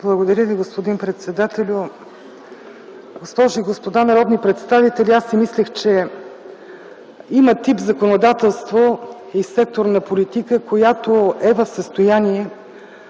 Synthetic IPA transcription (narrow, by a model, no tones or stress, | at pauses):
blˠəɡod̪ɐɾʲəviɡospod̪inpɾɛt̪sɛd̪at̪ɛlʲʊ | ɡospɔʒʊiɡospod̪anɐɾɔd̪nipɾɛt̪st̪avit̪ɛlʲiasːimislʲɛxt͡ʃɛ | imət̪ipzɐkonod̪at̪ɛlˠst̪vo | isɛk̚t̪oɾnɐpolʲit̪ikəkojat̪oɛvəfsəst̪ojaniɛ